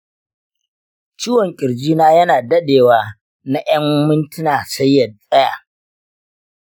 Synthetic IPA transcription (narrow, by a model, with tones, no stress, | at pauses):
t͡ʃiː˦wɔ˨ŋkʲʼɪ˨ɾd͡ʒiː˦naː˦jɐ˦naː˨dɐ˦ɗeː˨waː˨ | na˦j̰ɐ˦mmɪ˦ntɪ˦naː˨sɐ˦jːɐ˨dsʼɐ˦ja̰ː˨